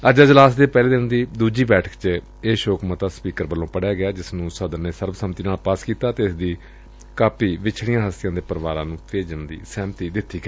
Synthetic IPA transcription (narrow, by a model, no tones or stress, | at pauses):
əd͡ʒaːd͡ʒəlaːsd̪eːpɛːleːd̪ɪnd̪iːd̪uːd͡ʒiːbɛːʈʰə̥kt͡ʃ | eːʃoːkmət̪aːspiːkəɾʋəlːõːpəɽjaːɡɪjaːd͡ʒɪsnũːsəd̪əɾneːsəɾbsəmt̪iːnaːlpaːskiːt̪aːt̪eːɪsd̪iː | kaːpʰiːʋɪt͡ʃʰɽɪijãːɦəst̪ɪjãːd̪eːpəɾʋaːɾãːnũːpʰeːd͡ʒənd̪ḭːsɛːmt̪iːd̪ɪt̪ːiːkəɾi